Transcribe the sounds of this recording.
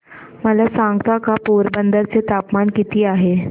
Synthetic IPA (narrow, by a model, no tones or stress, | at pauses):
məlasaŋɡt̪akapoɾbənd̪əɾt͡set̪apmaɳkit̪iːaɦe